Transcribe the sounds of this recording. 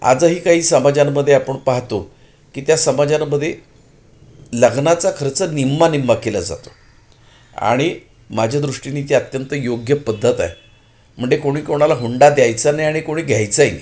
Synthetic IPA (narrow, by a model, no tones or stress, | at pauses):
a̰d͡zəɦiːkaɦiːsəmad͡ʑamːəd̪ʱːjeapəɳpaɦt̪o | kiːt̪jasəmad͡ʑaməd̪ʱːje | ləɡnat͡sakʰəɾt͡sənimːanimːakelad͡za̰t̪o̥ | a̰ɽ̃i | mad͡ʑʱad̪ɾuʂʈiniːt̪eət̪jənt̪əjoɡjəpəd̪ʱːət̪a̰j | m̤əɳd͡zekoɽ̃iːkoɽ̃alaɦuɳɖad̪jajt͡sənajaɽ̃ikoɽ̃iːɡʱjajt͡səj